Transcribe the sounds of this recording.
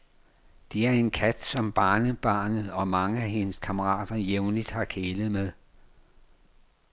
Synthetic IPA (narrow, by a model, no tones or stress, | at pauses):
d̥eæɐe̝nkʰæd̥sɒ̽mb̥ɑ̈ːnəb̥ɑ̈ːnð̩ˠɒ̽mɑ̈ŋəæɦe̝nəskʰɑ̈məʁɑ̰̈ːd̥ɐjeʊnlid̥hɑ̈kʰeːlð̞̩ˠmeð̞ˠ